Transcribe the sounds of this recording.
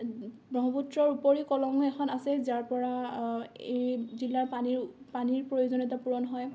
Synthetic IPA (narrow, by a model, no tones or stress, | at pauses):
bɹɔɦɔputɹɔɹupoɹikɔlɔŋuɛxʰɔnasɛzaɹpɔɹa | ejzilːaɹani | paniɹpɹojozonɔtapuɹɔnɦɔj